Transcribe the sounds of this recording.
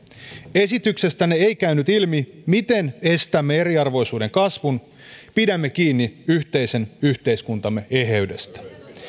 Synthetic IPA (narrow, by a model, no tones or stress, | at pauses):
e̞sit̪ykse̞st̪æneejkæynyt̪ilmimit̪e̞ne̞st̪æmːee̞ɾiɑrʋo̞jsuːde̞ŋkɑsʋun | pidæmːek̟iːnːiyçt̪e̞jse̞nyht̪e̞jskunt̪ɑmːe̞e̞ɦeɥde̞st̪æ̥